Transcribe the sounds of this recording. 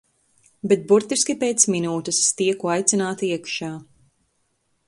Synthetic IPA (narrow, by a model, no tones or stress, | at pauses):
bet̪̚buɾt̪iskʲipeːt̪sminuːt̪ɨsːt̪iɛkuajt̪sinaːt̪aiɛkʃaː